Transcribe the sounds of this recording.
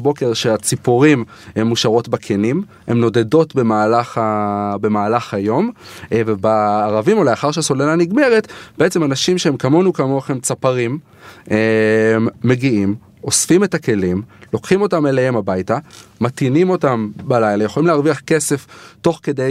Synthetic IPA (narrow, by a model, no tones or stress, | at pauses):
bo̞ke̞ʁʃeat͡sipuʁimhemːuʃaʁo̞tbakʰenim | he̞mno̞de̞do̞tbe̞maːlaχabe̞maːlaχhajo̞mvebaːʁavimolajaχaʁʃeaso̞lelaniɡme̞ʁetb̥eet͡se̞manaʃimʃeemkamo̞nukamoχemt͡sapaʁim | emːe̞ɡiim | osfime̞take̞limlo̞kχimo̞tamelehe̞mabajtamatinimo̞tambalajlajeχolimleaʁviaχke̞se̞fto̞χke̞dej